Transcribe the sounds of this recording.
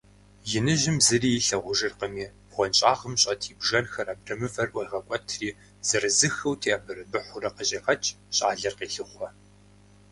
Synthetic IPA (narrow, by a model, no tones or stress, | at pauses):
jɪnɨʒɪmzɨriːjɪɬɐʁʷʊʒɨrqəmiː | ʁʷɔnɕʼaːʁəmɕʼɐtʰiːbʒɐnxɐraːb̚rɐmɨfɐrʔʷɐiʁɐkʷʼɔtʰriː | z̥ɨrɨzɨxɐwtʰeːabɨrɐbɨħʷʊɾɐqəɕʼɐxɐt͡ʃʼ | ɕʼa̰ːɮɐrqeːɬɨχʷɔ